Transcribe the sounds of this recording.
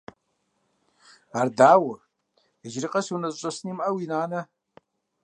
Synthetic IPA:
ardaːwʊ | iʒrɨqʼəsunazt͡ʃʷʼasnimʔawinaːnɨ

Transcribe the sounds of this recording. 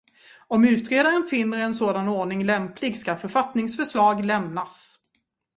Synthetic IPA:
ɔmʉ̟ːt̪ɾeːd̪aɾənfɪnːəɾɛnsoːd̪anoːɳɪŋlɛmpʰlɪɡskafœɾfat̪nɪŋsfœʂlɑːɡlɛmnas

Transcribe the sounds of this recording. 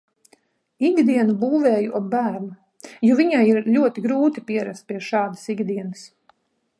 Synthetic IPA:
iɡd̪iɛnubuːvɛːjuʔɔbæːɾnu | jɔviɲajiɾʎʲuɔt̪iɡɾuːt̪ipiɛɾast̪̚piɛʃɑːd̪ḁsiɡd̪iɛnas

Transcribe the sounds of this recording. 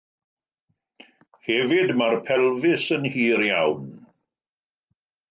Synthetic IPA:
hɛvɪdmarpʰɛlˠvɪsənhiːɾjawn

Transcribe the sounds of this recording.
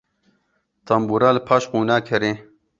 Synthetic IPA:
t̪ʰɐmbuɾalpʰaʃquːnaːkʰɐɾe

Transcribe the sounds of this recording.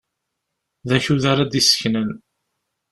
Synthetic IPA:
ðæçuðaɾˤad̪isə̥çnən

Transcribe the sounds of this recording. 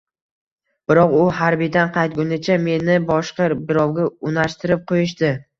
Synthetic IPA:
b̥ɪɾɒqʊhaɾbɪjd̪anqʰɑjt̪̚ɡʲʊnɪt͡ʃʰame̞nɪbɒʃqɑbɪɾɒwɡʲaʊnaʃt̪ɪɾɪp̚qʰojɪʃ̬t̪ɪ

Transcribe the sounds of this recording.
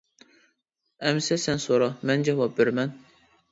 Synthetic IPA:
æmsɛsænsoɾɑmænd͡ʒɛvɑp̚beɾmæn

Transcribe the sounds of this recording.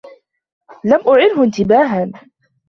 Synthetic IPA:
lamʔʊʕɪlhʊɪnt̪ɪbaːɦan

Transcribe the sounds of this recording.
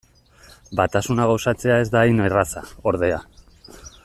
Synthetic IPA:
bat̪asunaɣawsat͡se̞ae̞zd̪ainerasa̰o̞ɾðe̞a

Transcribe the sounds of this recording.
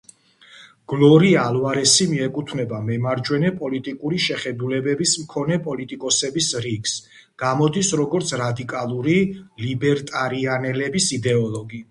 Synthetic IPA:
ɡ̥lˠɔɾialvaɾɛsimiɛkʼut̪ʰnɛbamɛmaɾd͡ʒwɛnɛpʼɔlit̪ʼikʼuɾiʃɛχɛd̪ulɛbɛbismkʰɔnɛpʼɔlit̪ʼikʼɔsɛbisɾiɡs | ɡ̥amɔd̪isɾɔɡɔɾt̪sʰɾad̪ikʼalˠuɾilibɛɾt̪ʼaɾianɛlɛbisid̪ɛɔlˠɔɡi

